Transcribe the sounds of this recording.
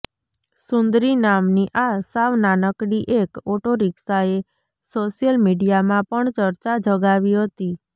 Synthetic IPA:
sʊnd̪ɾinamniʔasaʋnanəkɽiʔekoʈoɾiksae | soʃijəlmiɖijamãpəɳt͡ʃəɾt͡ʃad͡ʒʱəɡaʋiɦət̪i

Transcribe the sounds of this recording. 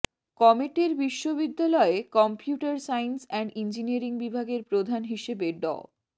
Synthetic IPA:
kɔmeʈeɾbiʃːoβid̪ːalɔekɔmpijuʈaɾsajnsɛɳɖind͡ʑiniaɾiŋbibʱaɡeɾpɾod̪ʱanɦiʃebeɖɔ̰

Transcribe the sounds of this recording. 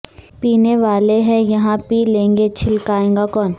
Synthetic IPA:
piːneʋaːleɦɛ̃jɐɦãpiːlẽːŋɡet͡ʃʰɪlkaːẽːŋɡakɔːn

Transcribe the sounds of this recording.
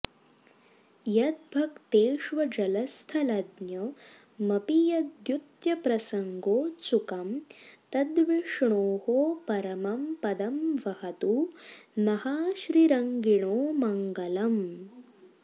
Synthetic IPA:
jɐd̪̚bʱɐkt̪eːʂʋɐd͡ʒɐlɐst̪ʰɐlɐd̪njɐː | ɐpijɐd̪jut̪jɐpɾɐsɐŋɡoːt͡ʃukɐmt̪ɐd̪ʋiʂɳoːhoːpɐɾɐmɐmpɐd̪ɐmʋɐhɐt̪umɐhaːʃɾiɾɐŋɡiɳoːmɐŋɡɐlɐm

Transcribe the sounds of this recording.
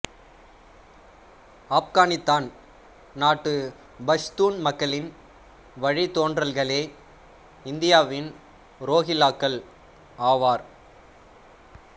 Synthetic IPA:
aːpɣaːnɪst̪aːn | naːʈːɯ | bɐst̪uːnmɐkːɐɭɪn | ʋɐɻit̪oːndrɐlɣɐɭeː | ɪnd̪ɪjaːʋɪn | ɾoːɣɪlaːkːɐɭ | aːʋaːɾ

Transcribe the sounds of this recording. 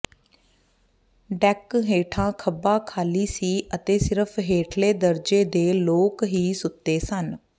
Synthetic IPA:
ɖɛkɦeːʈʰãːkʰəbãːkʰaːliːsiːʔət̪eːsɪɾəpʰɦeːʈʰleːd̪əɾd͡ʒeːd̪eːloːkɦiːsʊt̪ːeːsən

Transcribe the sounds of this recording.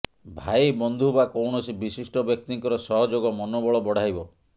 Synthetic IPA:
bʱajbɔnd̪ʱuɦbakɔwɳɔsibisisʈɔbjɔk̚t̪iŋkɔɾɔsɔɦɔd͡ʒoɡɔmɔnobɔɭɔbɔɽ̤ajbɔ

